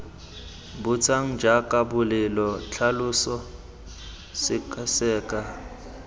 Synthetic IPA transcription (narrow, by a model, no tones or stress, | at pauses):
bʊt͡sʰʼaŋ̩d͡ʒakʼabʊlɪlɔt͡ɬʰalʊsɔ | sɪkʰʼasɛːkʼa